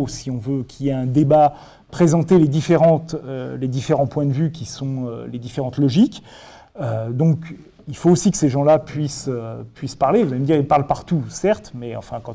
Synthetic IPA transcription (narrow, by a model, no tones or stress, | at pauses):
siɔ̃vøkʰʲiliɛɛ̃d̪eba | pχezɑ̃t̪eled̪ifeʁɑ̃t̪øled̪ifeʁɑ̃pwɛ̃d̪əvykʲisɔ̃ø̰led̪ifeʁɑ̃t̪lɔʒik | ød̪ɔ̃k | ilfoːsikə̥seʒɑ̃lapɥisøpɥispaʁlevuzaveməd̪iʁilpaʁlpaʁt̪usɛʁt̪mɛɑ̰̃fɛ̃kɑ̃